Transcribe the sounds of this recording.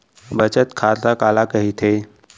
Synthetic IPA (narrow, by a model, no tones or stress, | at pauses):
bət͡ʃət̪kʰaɾt̪akalakəɦit̪ʰe